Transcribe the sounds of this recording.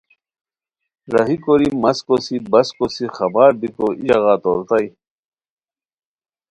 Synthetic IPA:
ɾɐɦikoɾimɐskosibɐskosixɐbaːɾbikoijɐɣaːt̪oɾt̪ai

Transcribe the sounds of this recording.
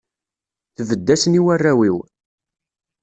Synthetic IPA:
θðəd̪ːæsniwærːæwiw

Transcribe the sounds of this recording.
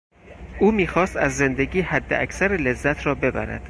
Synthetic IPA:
ʔuːmiːxɒːst̪æzːe̞nd̪eɟiːhæd̪ːeʔækʰsæɾele̞zːæt̪ʰɾɒːbe̞bæ̰ɾæ̰d̪̥

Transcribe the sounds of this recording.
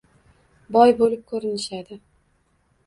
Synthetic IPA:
bɒjbolɪp̚kʰɵɾɪnɪʃad̪ɪ

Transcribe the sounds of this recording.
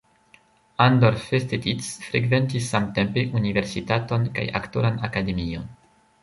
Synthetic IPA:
andoɾfestetisfɾeɡve̞ntisːamte̞mpe̞ʔunive̞ɾsitato̞nka̰ja̰kto̞̰ɾanakade̞mio̞̰n

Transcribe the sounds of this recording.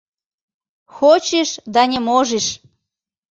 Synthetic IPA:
xot͡ɕeʃd̪ɑnʲemoʒeʃ

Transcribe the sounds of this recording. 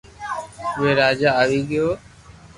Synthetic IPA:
ʋeːɾaːd͡ʒaːaːʋiːɠəjoː

